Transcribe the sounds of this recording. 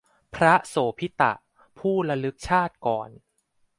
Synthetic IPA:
pʰɾa˦˥soː˩˦pʰi˦˥t̪a̰˨˩ʔ | pʰuː˥˩ɾa˧lɯ˦˥k̚t͡ɕʰaː˥˩t̪̚kɔː˨˩n

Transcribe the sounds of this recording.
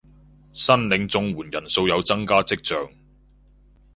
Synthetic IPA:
sɐ˥nlɪ˨˧ŋt͡sʊ˧ŋwuː˨˩njɐ˨˩nso˧wjɐ˨˧wt͡sɐ˥ŋkaː˥t͡sɪ˥k̚t͡sœː˧ŋ

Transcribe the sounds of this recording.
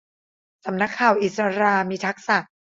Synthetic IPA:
sa˩˦mna˦˥kʰːaː˨˩wʔi˨˩sa˧ɾaː˧miː˧t̪ʰa˦˥k̚sa˨˩

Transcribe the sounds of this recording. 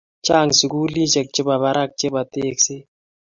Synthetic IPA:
t͡ʃaː˦˨ŋsi˨kuː˦li˦t͡ʃɛ˨k̚t͡ʃɪ˦ba˨βa˨ɾa˦˨k̚t͡ʃe˦ba˨t̪eː˦˨kse˦

